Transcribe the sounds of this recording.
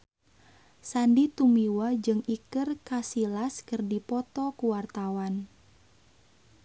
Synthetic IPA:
sandit̪umiwad͡ʒɨŋikɨrkasilaskɨrdipɔt̪ɔkuwart̪awan

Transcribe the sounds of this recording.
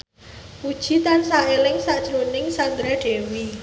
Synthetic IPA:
pud̥ʒ̥i̤t̪ansaʔelɪŋsaʔd̥ʒ̥əlunɪŋsand̪ɾaɖ̥ewi

